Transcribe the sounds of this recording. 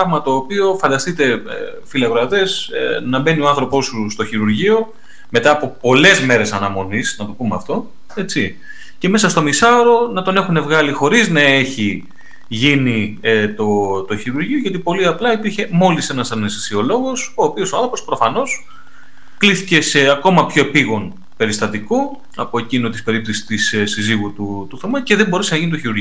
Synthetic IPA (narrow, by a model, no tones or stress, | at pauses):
ɐɣmɐt̪o̞ːpio̞fɐnd̪ɐst̪it̪e̞ | filɐɣoɐt̪e̞snɐbe̞nioɐnθɾo̞po̞sust̪o̞çiɾuɾʝio̞ | me̞t̪ɐːpo̞po̞le̞zme̞ɾe̞sɐnɐmo̞nisnɐt̪o̞pumeɐft̪o̞ | e̞t͡si | ce̞me̞sɐst̪omisɐoɾo̞nɐt̪o̞ne̞xune̞vɣɐlixo̞ɾiznɐe̞çi | ʝinit̪ot̪o̞çiɾuɾʝioʝɐt̪ipo̞liɐplɐipiɾçe̞mo̞lise̞nɐsɐnest̪isio̞lo̞ɣo̞so̞ːpio̞soɐnθɾopo̞spɾofɐno̞s | kliθice̞se̞ɐko̞mɐpço̞epiɣo̞n | pe̞ɾist̪ɐt̪iko̞ | ɐpo̞e̞cinot̪ispe̞ɾipθisi̥t̪isesiziɣut̪ut̪uθomɐceðemboɾesenɐʝinit̪o̞çiɾuɾʝio